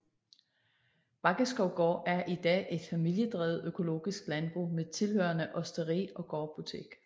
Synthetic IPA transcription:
b̥ɑ̈ɡ̥əsɡ̥ɒʊɡ̥ɒ̰ːæɐʔid̥ɛ̰ːʔe̝d̥fæmil̰jəd̥ʁɛ̰ːð̩ˠøkʰo̝lo̝̰ːɡ̥isɡ̥lænb̥ʁṵmet͡sʰe̝lhøɐnəʔɒ̽sd̥əʁḭːɒ̽ɡ̥ɒb̥ut͡sʰe̝̰ɡ̥

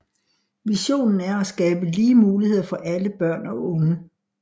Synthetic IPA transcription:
ʋiɕo̝̰ːnn̩æɐæsɡ̥ɛːb̥əliːmuːlihe̝ð̞̰ˠfɒ̽ʔæləb̥ɶɐ̰nɒ̽ʔɔ̽ŋə

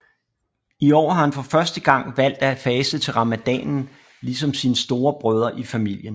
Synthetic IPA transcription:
iɒ̰ːhɑ̈hænfɒ̽fɶɐsd̥əɡ̥ɑ̈ŋ̰ʋæl̰d̥æfɛːsət͡sʰe̝lʁɑ̈mæd̥ɛ̰ːnn̩ | lis̬ɒ̽msinəsd̥o̝ːɐb̥ʁœːð̞ˠɐʔifæmil̰jən

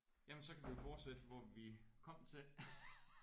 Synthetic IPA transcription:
jæmensɒ̽kʰæʋijo̝fɒːd̥sed̥əʋɒʋikʰɒ̽m̰t͡sʰe̝l

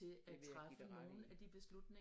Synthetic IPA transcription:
e̝æt͡sʰʁafəno̝ːn̩æd̥ib̥e̝slud̥ne̝

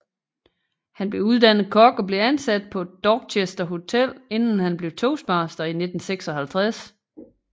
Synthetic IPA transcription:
hænb̥le̝uð̞ˠd̥æn̰ð̩ˠkʰɒ̽ɡ̥ɒ̽b̥le̝ænsæd̥̚pʰɒ̽d̥ɒːɡ̥̚t͡ɕʰesd̥ɐɦo̝t͡sʰel̰e̝n̰n̩hænb̥le̝ʊt͡sʰo̝ːsb̥ɑ̈ːsd̥ɐine̝d̥n̩seɡ̥sɒ̽ɦælt͡sʰʁas

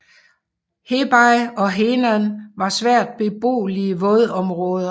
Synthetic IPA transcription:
he̝b̥ɑ̈ɪɒ̽ɦenænʋɑ̈sʋæɐ̰d̥̚b̥e̝b̥o̝̰ːliəʋɔ̽ðˠɒ̽mʁɔ̽ːðˠɐ

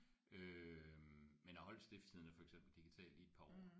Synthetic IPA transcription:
ø | menhɑ̈hɒ̽l̰d̥sd̥e̝fd̥hið̰ˠnəfɒ̽eɡ̥sem̰b̥l̩d̥iɡ̥it͡sʰɛ̰ːld̥ied̥̚pʰɑ̰̈ɒː

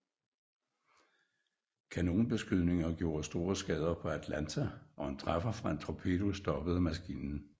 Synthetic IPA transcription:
kʰæno̝ːnb̥e̝sɡ̥yðˠne̝ŋɐɡ̥jo̝ːɐsd̥o̝ːɐsɡ̥ɛːð̞ˠɐpʰɒ̽æd̥lænt͡sʰæʔɒ̽ent͡sʰʁɑfɐfʁɑ̈e̝nt͡sʰʁo̝pʰe̝d̥usd̥ɒ̽b̥əð̩ˠmæsɡ̥ḭːnn̩

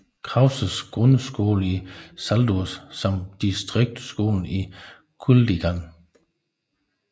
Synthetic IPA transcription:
kʰʁɑ̈ʊsəsɡ̥ʁɔnəsɡ̥o̝̰ːləisæld̥usːɒ̽md̥isd̥ʁeɡ̥̚d̥sɡ̥o̝̰ːln̩i | kʰuldiɡ̥æn

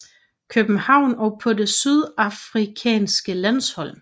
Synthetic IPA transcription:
kʰøb̥n̩hɑ̈ʊ̰nɒpʰɒ̽de̝syð̞ˠɑfʁikʰɛ̰ːnsɡ̥əlæn̰shɒ̽l̰

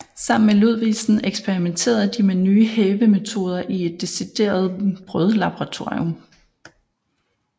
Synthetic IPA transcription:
sɑ̈m̰n̩meloð̞̰ˠʋḭːsn̩eɡ̥sb̥eʁiment͡sʰe̝̰ːɐð̩ˠd̥imenyːəheːʋəme̝t͡sʰo̝ːð̞ˠɐʔie̝d̥ːe̝sid̥e̝̰ːɐð̞̩ˠb̥ʁœð̞ˠlɑb̥oʁɑ̈t͡sʰo̝ɐ̰ɔm

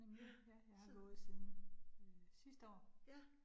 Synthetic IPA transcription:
eŋjæjɑ̈ɪhɑ̈ɡ̥ɔ̽ːð̩ˠsiːðˠn̩ | sisd̥əɒ̰ː

